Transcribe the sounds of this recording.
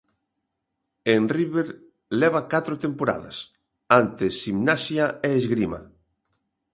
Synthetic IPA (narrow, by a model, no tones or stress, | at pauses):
enriβeɾ | leβ̞akat̪ɾot̪empoɾa̰ða̰s | ant̪esimnasjaeːzɣɾima̰